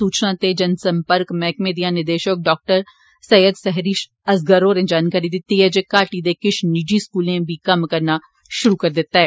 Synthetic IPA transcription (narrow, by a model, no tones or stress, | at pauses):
uːt͡ʃnãt̪ed͡ʒɐnsɐ̃mpəɾkmɛːkmeːd̪ijanɪɾd̪eːʃək̚ɖɔːk̚ʈəɾ | sɐjəd̪sɛɦɾiːʃ | ɐs̬ɡəɾoːɾẽd͡ʒaːnkaːɾid̪ɪt̪ːiɦɛd͡ʒekaːʈid̪ekɪʃniːd͡ʒiskuːlẽbʱikɐmkɐɾna | ʃʊɾukɐɾd̪et̪aɦɛː